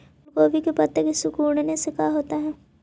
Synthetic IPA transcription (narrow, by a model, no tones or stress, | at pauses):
koːʋikepɐt̪ːəkesʊkuːɽnesɪkaɦoːt̪aɦɛː